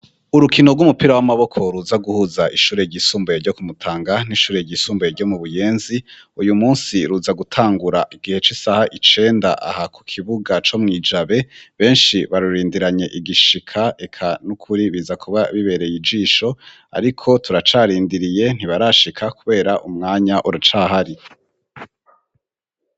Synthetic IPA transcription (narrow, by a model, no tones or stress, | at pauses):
uɾukʰino̞ɾɡwumupiɾawamaβo̞kʰo̞ɾuzaɡuhuzaʔiʃuːɾe̞ɟisuːmboeɾɟo̞kumutʰaːŋɡan̥iʃuːɾe̞ɟisuːmboeɾɟo̞muβuje̞ːnziujumuːnsiɾuzaɡutʰaːŋɡuɾaʔiɡihe̞t͡ʃisahaʔit͡ʃe̞ːndaʔa̰hakʰu̥kʰiβuɡat͡ʃomŋiːd͡ʒaβe̞βe̞ːnʃiβaɾuɾiːndiɾaɲe̞ʔiɡiʃikʰae̞kʰanukʰuɾiβizakʰuβaβiβe̞ːɾe̞jid͡ʒiːʃo̞ | a̰ɾikʰo̞tuɾat͡ʃaːɾiːndiɾije̞n̥iβaɾaʃikʰakuβe̞ːɾaʔumŋaːɲaʔuɾat͡ʃaːɦaɾi